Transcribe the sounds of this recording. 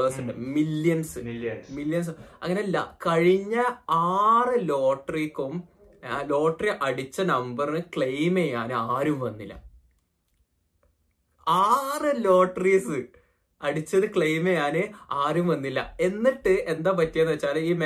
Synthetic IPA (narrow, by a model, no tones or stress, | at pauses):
rsɐɳɖɨ̰milːjɐnsɨmilːjɐns̬ɐ̰ŋːɐnelːɐ̰kɐɻiɲːɐaːrɨlo̞ːʈːɐrikʲːum | lo̞ːʈːriʔɐɽit͡ɕːɐnɐmbɐrnɨkɭejmejaːnɨaːɾumʋɐnːilːɐ̰ | aːrɨlo̞ːʈːɐrisɨ | ɐɽit͡ɕːɐðɨkɭejmejaːnɨaːɾumʋɐnːilːɐ̰e̞nːiʈːɨend̪aːp̬ɐtːijenɐʋɐt͡ɕːaːliːme